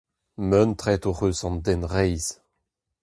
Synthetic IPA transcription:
mœnt̪χɛt̪oʁøːsɑ̃nd̪ɛnʁɛjz̥

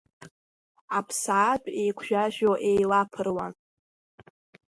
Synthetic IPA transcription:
apʰsaːt͡pʷʼejkʷʰʒᶣaʒᶣoʔe̞jlapʰɨrwan

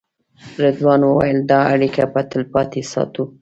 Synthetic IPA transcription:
ɾad̪wɑnwəwajəld̪ɑaɽikapat̪əlpɑt̪esɑ̰t̪u

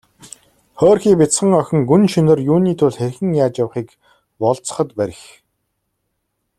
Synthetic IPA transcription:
χɔːrxiːpet͡sχə̆ŋœxʲɪ̆ŋɡunʃinə̆rjuːniːt̪ʰʊɮxerʲxɘ̆ŋjaːt͡ɕjawχiːk | pɔɮt͡sə̥̆χə̆t̪pæɾʲɪ̆x

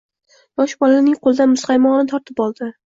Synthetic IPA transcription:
jɒʃbɒlanɪŋqʰolˠd̪anmʊsqajmɒnɪt̪ʰɒɾt̪ʰɪpɒlˠd̪ɪ

